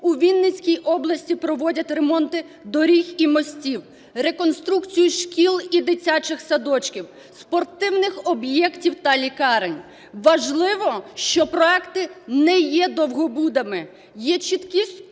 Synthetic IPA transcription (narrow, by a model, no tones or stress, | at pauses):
uʋʲinːɪt͡sʲkʲijʔɔblˠɐsʲtʲipɾɔʋɔdʲɐtʲremɔnt̪ɪ | d̪ɔɾʲiximɔsʲtʲiw | ɾe̞kɔnst̪ɾukt͡sʲijʊʃkʲilˠid̪ɪt͡sʲat͡ʃɪxsɐd̪ɔt͡ʃkʲiw | spɔrt̪ɪwnɪxɔbjɛktʲiwt̪ɐlʲikɑɾenʲ | ʋɐʒlˠɪʋɔʃt͡ʃɔpɾɔɛkt̪ɪnɛjɛd̪ɔwɦɔbud̪ɐmɪ | jɛt͡ʃit̪kʲi